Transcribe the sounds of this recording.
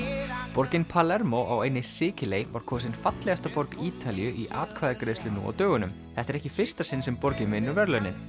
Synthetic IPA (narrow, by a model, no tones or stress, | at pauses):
pɔɾcɪnpʰalɛɾmowʔawejnɪsɪːcɪlejvaɾ̥kʰɔːʏs̬ɪnfat̪lɛɣast̪apɔɾkiːt̪alijʏʔiʔa̰ːt̪kʰvaːðɪkɾeːjst̪lʏnṵɔ̰t̪œːɣʏnʏm | θɛht̪aɾɛhcɪfɪr̥st̪asɪnsɛmpɔɾcɪmɪnʏɾvɛɾlœɥnɪn